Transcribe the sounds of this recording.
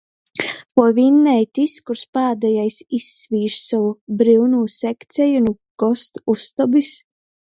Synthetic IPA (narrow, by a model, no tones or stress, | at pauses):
pɔvʲinːɛjt̪iskuɾspaːd̪ɛjajsisːvʲiːʒsawubɾiwnuːsɛkt̪sɛjunu | ɡ̥ɔst̪ust̪ɔbis